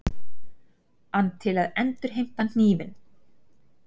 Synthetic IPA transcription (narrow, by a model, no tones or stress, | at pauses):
anːt̪ʰɪlaðɛnt̪ʏɾ̥ɦejm̥t̪ḁiːvɪn